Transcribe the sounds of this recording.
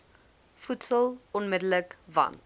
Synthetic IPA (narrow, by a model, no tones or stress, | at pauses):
futsəlˠɔnmədələkvɐ̰nt